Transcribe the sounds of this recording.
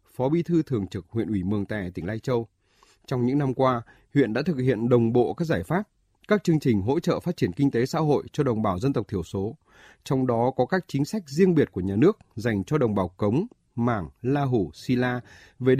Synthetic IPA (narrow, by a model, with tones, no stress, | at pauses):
fɔ˨˦ɓi˧t̪ʰɨ˧t̪ʰɨ˨˩əŋt͡ɕɨ˨˩k̚hwḭ˧˨ənʔwi˧˩mɨ˨˩əŋt̪a̰ː˧˨jt̪ï˧˩ŋlaː˧jt͡ɕə˧w | t͡ɕɔ˧wŋ͡mɲɨ̰˧˥ŋna˧mkwaː˧ | hwḭ˧˨nɗa̰ː˧˥t̪ʰɨ˨˩k̚hḭ˧˨ənɗə˨˩wŋ͡mɓo̰˧˨kaː˦˥k̚zaː˧˩jfaː˦˥p̚ | kaː˦˥k̚t͡ɕɨ˧əŋt͡ɕï˨˩ŋ̟ɦo̰˧˥t͡ɕə̰ː˧˨faː˦˥t̚t͡ɕi˧˩ənkï˧ŋ̟t̪e˨˦sa̰ː˧˥ɦo̰˧˨jt͡ɕɔ˧ɗə˨˩wŋ͡mɓaː˨˩wzə˧nt̪ə˨˩w̚k͡p̚t̪ʰi˧˩əwso˨˦ | t͡ɕɔ˧wŋ͡mɗɔ˨˦kɔ˨˦kaː˦˥k̚t͡ɕi˨˦ŋ̟sa˦˥jk̟̚zi˧əŋɓi˨˩ət̚ku˧˩əɲaː˨˩nɨ˦˥ək̚za˨˩jŋ̟t͡ɕɔ˧ɗə˨˩wŋ͡mɓaː˨˩wkə˨˦wŋ͡m | maː˧˩ŋlaː˧ɦu˧˩si˧laː˧ | ve˨˩ɗ